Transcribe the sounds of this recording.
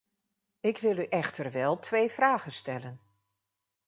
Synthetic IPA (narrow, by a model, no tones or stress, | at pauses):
ɪkʋɪlˠyʔɛxtərʋɛlˠtʰʋejfraːɣənstɛlən